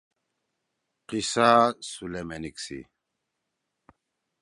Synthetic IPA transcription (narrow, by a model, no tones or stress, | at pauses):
qisaːsulemeniksḭ